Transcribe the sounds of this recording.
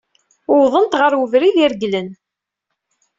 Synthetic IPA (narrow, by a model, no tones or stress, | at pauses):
ʊwðˤənt̪ʁəɾwəvɾiðiɾɡlən